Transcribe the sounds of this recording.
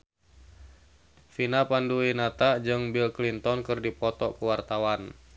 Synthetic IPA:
finapanduinat̪ad͡ʒɨŋbilklint̪ɔnkɨrdipɔt̪ɔkuwart̪awan

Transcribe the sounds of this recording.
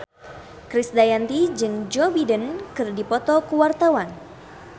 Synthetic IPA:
kɾisdajant̪id͡ʒɨŋd͡ʒɔbidənkɨrdipɔt̪ɔkuwart̪awan

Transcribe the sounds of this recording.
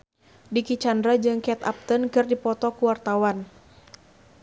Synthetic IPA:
dikit͡ʃandɾad͡ʒɨŋkɛt̪a̰p̚t̪ənkɨrdipɔt̪ɔkuwart̪awan

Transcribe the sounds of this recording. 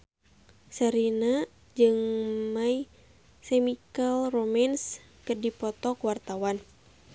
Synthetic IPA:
saɾina | d͡ʒɨŋmai | sɛmikalromans | kərdipɔt̪ɔkwart̪awan

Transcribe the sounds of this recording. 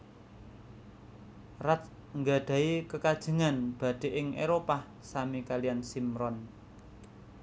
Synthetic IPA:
rat̪ | ŋɡaɖ̪̥a̤ikəkad̥ʒ̥ə̤ŋanb̥a̤d̪̥e̤ʔɪŋʔeɾopah | samikalijansimɾɔn

